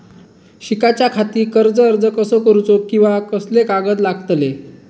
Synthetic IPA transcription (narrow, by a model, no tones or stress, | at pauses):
ɕikat͡ɕjakʰat̪iːkəɾd͡zəəɾd͡zəkəsəkəɾut͡sokĩw̃ʋakəslekaɡət̪laɡt̪le